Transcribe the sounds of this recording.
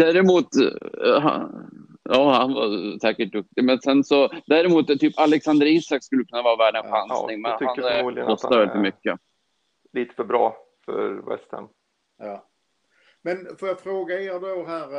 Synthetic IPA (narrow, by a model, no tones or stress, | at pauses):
d̪̥æːɾɪmuːt̪ɦa̰ | jɑːhanva̰sɛːkəʈ̚d̪ɵk̚t̪ɪmɛnsɛnsɔd̪æːɾɪmuːt̪t̪ːyːpalɛksand̪əɾinsak̪̚skɵlːəkʰɵnːavɑːvæːɖənɧansnɪŋmɛnʰʏhankɔstt̪avɛld̪ɪt̪mʏkːə | liːt̪ə̥fœbɾɑː | fœ̰ɾvɛ̰st̪ʰə̰nː | mɛnfojafɾoːɡaeɾd̪oɦæːɾ